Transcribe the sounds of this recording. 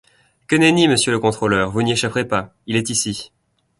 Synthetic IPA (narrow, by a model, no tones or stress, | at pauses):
kənɛniməsjøləkɔ̃t̪χolœːʁvunieʃapχepa | ilɛt̪isi